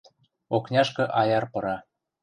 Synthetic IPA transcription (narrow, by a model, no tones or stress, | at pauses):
oknʲɑʃkɤ̆ʔɑjɑrpɤ̆ɾɑ